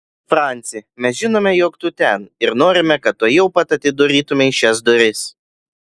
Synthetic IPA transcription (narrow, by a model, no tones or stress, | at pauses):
fɾɑˑnʲt̪sʲɪmʲɛsʒʲɪnoːmʲɛjoːkt̪ʊt̪ʲɛnɪɾnoːɾʲɪmʲɛkɐt̪̚t̪ːoːjɛʊpɐt̪ɐt̪ʲɪd̪oːɾʲiːt̪ʊmʲeʃʲɛs̬d̪oɾʲɪs